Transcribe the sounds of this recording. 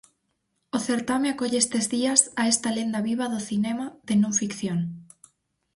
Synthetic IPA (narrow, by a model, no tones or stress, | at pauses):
oθeɾt̪ameakoʎest̪ezðiɐsaest̪ɐlend̪ɐβiβɐðʊθinɛmɐðɪnõŋfikθjoŋ